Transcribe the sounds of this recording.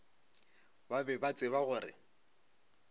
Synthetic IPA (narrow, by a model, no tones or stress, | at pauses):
babɛbat͡sʼɪβaɣʊɾɪ̰